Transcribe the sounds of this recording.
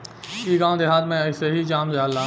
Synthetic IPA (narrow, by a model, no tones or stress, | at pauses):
iːɡãːd̪eɦaːd̪mẽɐɪseɦid͡ʒaːmd͡ʒaːlːaː